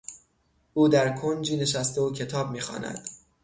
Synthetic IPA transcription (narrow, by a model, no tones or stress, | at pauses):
ʔuːd̪æɾkʰond͡ʒiːne̞ʃæst̪eocʰe̞t̪ʰɒːb̚miːxɒ̰ːnæ̰d̪̥